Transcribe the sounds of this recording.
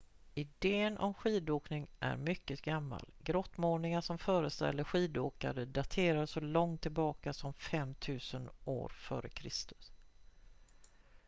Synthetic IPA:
ɪd̪eːənʔɔ̰mɧiːd̪oːknɪŋʔæ̰ɾmʏkːət̪ɡamːa̰lɡɾɔt̪ːmoːɳɪŋaʂɔmfœːɾəst̪ɛ̰lːəɧiːd̪oːka̰ɾəd̪at̪ʰeːɾasɔlɔŋt̪ʰːɪlbɑːkasɔmfɛmːt̪ʰʉ̟ːsəno̰ːɾfœ̰ːɾə̰kʰɾɪst̪ɵ̥s

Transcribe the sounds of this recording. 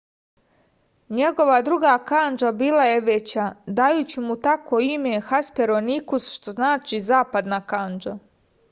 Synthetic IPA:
ɲe̞ɡo̞ʋad̪ɾuɡaːkand͡ʒabiːlajeʋet͡ɕad̪ajuːt͡ɕimut̪akʰoimexaspeɾonikusʃt̪oznaːt͡ʃizaːpad̪nakand͡ʒa

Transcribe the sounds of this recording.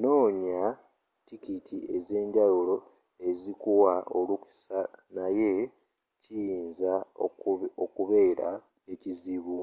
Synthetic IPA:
no̞ːɲa | tikitie̞ze̞ːɲɟawulo̞ | e̞zikuwaoluku̥sanaje̞ | cijiːnza | okuβe̞ːɾa̰ | e̞ciziβu

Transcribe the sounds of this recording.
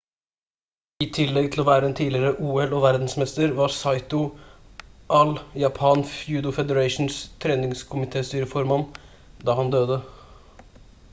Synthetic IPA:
iːt̪ʰɪlːɛɡt̪ʰl̩ɔʋæːɾəɛnt̪ʰiːlɪɾəʔuːɛloːʋæɾd̪n̩smɛst̪əɾʋɑɾsɑɪt̪ʊ | ʔɑljɑpʰɑːnfjʉːd̪ʊfɛd̪əɾɑɪʂn̩st̪ʰɾeːnɪŋskʰʊmɪt̪ʰeːst̪yːɾəfɔɾmɑn | d̪ɑːhɑnd̪øːd̪ə

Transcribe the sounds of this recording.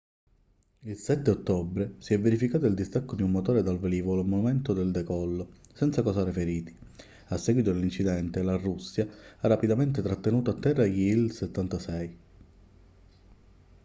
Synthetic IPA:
ilsɛt̪ːeot̪ːɔbɾesiɛvːeɾifikaːt̪ʊild̪ist̪akːod̪iumːot̪ɔːɾed̪alveliːvolomːonument̪od̪eld̪ɛkɔlːo | sɛnt̪sakɔsaɾefeɾiːt̪i̥ | asːɛɡwit̪oelint͡ʃid̪ɛnt̪elarusːjaarːapid̪ament̪et̪ɾat̪ːenuːt̪oat̪ːɛrːajiilset̪ːant̪asɛj

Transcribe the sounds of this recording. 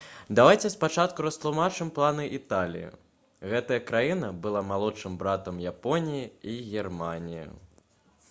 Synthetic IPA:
d̪avajt͡sʲɛspat͡ʂat̪kuɾɐst̪lˠumat͡ʂɨmplˠanɨʔit̪alʲḭjḭ | ɣɛt̪ɐjɐkɾajinɐbɨlˠamalˠɔʂɨmbɾat̪ɐmjapɔnʲijiiɣʲɛrmanʲijḭ

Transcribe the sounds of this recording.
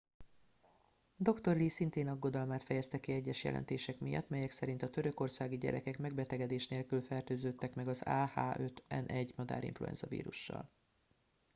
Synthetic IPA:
d̪o̞kt̪o̞rliːsint̪eːnɒɡːo̞d̪ɒlmaːt̪fɛjɛst̪ɛkiɛɟːɛʃjɛ̰lʔɛ̰nt̪eːʃɛkmijɒ̰t̪ːmɛjɛksɛɾint̪ɒt̪ø̞ɾø̞ko̞rsaːɡiɟɛ̰ɾɛkɛkmɛɡbɛt̪ɛɡɛd̪eːʃneːlkylfɛrt̪øːzøːt̪ːɛkmɛɡɒzaːha̰ːʔø̞t̪ɛnʔɛɟːmɒd̪a̰ːɾḭɱfluɛ̰nz̥ɒ̰vḭːɾuʃːɒ̰l

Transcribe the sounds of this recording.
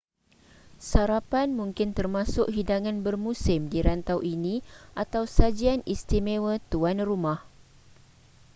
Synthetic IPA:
saɾapanmũŋkɪnt̪ərmãsʊk̚ɦidaŋãnbərmũsɪmdiɾant̪awʔinĩʔat̪awsad͡ʒianist̪imewət̪uanrumãh

